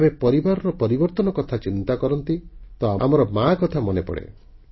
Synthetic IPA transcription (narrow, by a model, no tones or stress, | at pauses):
bepɔɾibaɾɔɾɔpɔɾibɔɾt̪ɔnɔkɔt̪ʰat͡ʃint̪akɔɾɔnt̪it̪ɔaamɔɾɔmakɔt̪ʰamɔnepɔ̰ɽḛ